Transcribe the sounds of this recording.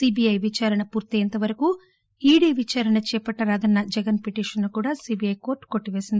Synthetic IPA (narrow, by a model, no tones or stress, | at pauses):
siːbijɐjʋit͡ʃaːɾɐɳɐpuːɾt̪iɐnt̪ɐʋɐɾɐku | iːɽiːʋit͡ʃaːɾɐɳɐt͡ʃɛːpɐʈːɐɾaːd̪ɐnːɐd͡ʒɛɡɐnpeʈiːʂɐnːukuːɽaːsiːbijɐjko̞ːɾʈːko̞ʈːiʋe̞ːsind̪i